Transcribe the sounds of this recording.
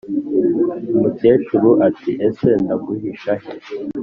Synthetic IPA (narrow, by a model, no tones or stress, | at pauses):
muke̞ːt͡ʃuɾuʔatiʔesendaɡuhiʃahe